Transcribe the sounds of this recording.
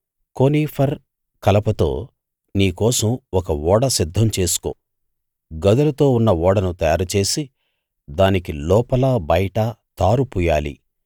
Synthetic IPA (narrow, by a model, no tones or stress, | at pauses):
koniːpʰɐɾ | kɐlɐpɐt̪o̞̰ː | niːkɔːsɐmɔkɐʋɔːɽɐsid̪ʱːɐmt͡ʃe̞ːsu̥koː | ɡɐd̪ɐlɐt̪o̞ːunːɐʋɔːɽɐnut̪ɐjaːɾɐt͡ʃe̞ːsi | d̪aːnikilɔːpɐlabɐjɐʈɐt̪aːɾupuːjaːlḭ